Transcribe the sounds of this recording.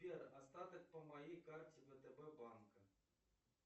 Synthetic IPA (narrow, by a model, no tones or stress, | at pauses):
pʲɛrast̪at̪ɐk̚pɐmajejkart͡sʲivɛt̪ɛbɛbankɐ